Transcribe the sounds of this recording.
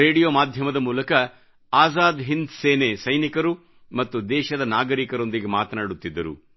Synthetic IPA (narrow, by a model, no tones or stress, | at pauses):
eːɽijoːmaːd̪ʱjɐmɐd̪ɐmuːlɐkɐ | aːzaːd̪ɦind̪seːnesɐjnikɐɾu | mɐt̪ːud̪ɛːʃɐd̪ɐnaːɡɐɾikɐɾo̞nd̪iɡe̞maːt̪ɐnaːɽut̪ːid̪ːɐɾṵ